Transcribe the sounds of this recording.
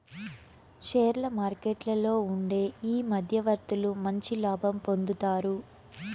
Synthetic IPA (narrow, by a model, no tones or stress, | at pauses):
ʃeːɾlɐmaːɾkeʈlɐlo̞ːuɳɖe̞ːiːmɐd̪ʱjɐʋɐɾt̪ulumɐɲt͡ʃilaːbʱɐmpo̞nd̪ut̪aːɾu